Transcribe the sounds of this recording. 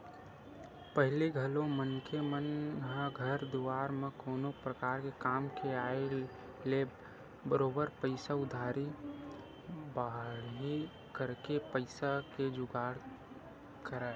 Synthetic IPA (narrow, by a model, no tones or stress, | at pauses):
pəɦliɡʱəlõmənkemənɦəɡʱəɾd̪uwaːɾmẽkoːnopɾəkaːɾkekaːmkeaːe | le | bəɾoːbəɾpəɪsaʊd̪ʱaːɾi | baɦɽɦi | kəɾkepəɪsaked͡ʒʊɡaːɽ | kəɾae